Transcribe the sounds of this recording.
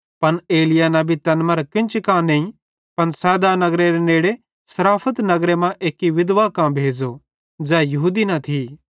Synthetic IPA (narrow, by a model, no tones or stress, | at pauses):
pɐneːlɪjanɐ̃bʱit̪ɐnmɐɾkɪ̃nt͡ʃɪkãnẽĩ | pɐnsɛːd̪anɐɡɾeɾeneːɽe | sɐɾaːpʰət̪nɐɡɾemãʔeːkiʋɪd̪ʋakãbʱeːd͡ʒo | d͡ʒɛːjɐɦuːd̪inɐt̪ʰi